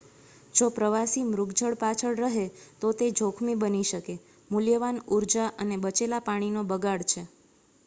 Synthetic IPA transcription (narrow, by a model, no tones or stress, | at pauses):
d͡ʒopɾəʋasimɾʊɡd͡ʒəɭpat͡ʃʰəɭɾəɦet̪ot̪ed͡ʒʱokʰmibəniʃəke | muljəʋanuɾd͡ʒaʔənebət͡ʃelapaɽ̃inobəɡaɽt͡ʃʰe